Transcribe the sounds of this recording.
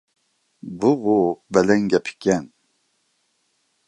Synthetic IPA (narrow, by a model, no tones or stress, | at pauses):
buɣobɛlɛŋɡɛpʰi̥kɛn